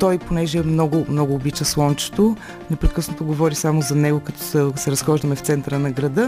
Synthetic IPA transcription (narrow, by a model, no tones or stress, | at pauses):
t̪ɔjponɛʒɛːmnɔɡʊmnɔɡʊːbit͡ʃəslˠɔnt͡ʃɛ̥t̪o | nɛpɾɛkɤsnot̪oɡovɔɾisamʊzɐnɛɡʊkɐt̪ɔ̥səsɛɾɐsxɔʒd̪əmɛft̪sɛnt̪əɾənɐɡɾɐd̪ə